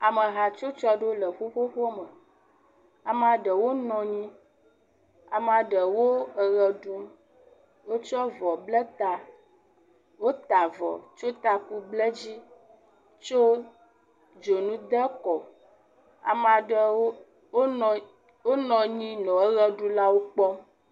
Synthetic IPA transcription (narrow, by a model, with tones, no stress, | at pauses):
a˨mə˨ɦa˨t͡ʃo˦t͡ʃɔ˦ɖo˦lə˨ɸo˦ɸo˦ɸo˦mə˨ | a˨m˦˨a˨ɖə˨wo˦nɔ̃˨ɲĩ˦ | a̰˨m˨a˨ɖə˨wo˦ə˨ɣɛ˨ɖu˦m | wo˦t͡ʃɔ˦vɔ˨blə˦t̪a˨ | wo˦t̪a˨vɔ̰˨t͡ʃo˦t̪a˨ku˦blɛ˦d͡ʑi˦ | t͡ʃo˦ | d͡ʒo˨nũ˦d̪ɛ˦kɔ˨ | a̰˨ma˨ɖə˨˦ | wo˦˨ | wo˦nɔ̃˨ɲĩ˦nɔ̃˨ə˦ɣɛ˦ɖu˦la˦wo˦k͡pɔ˦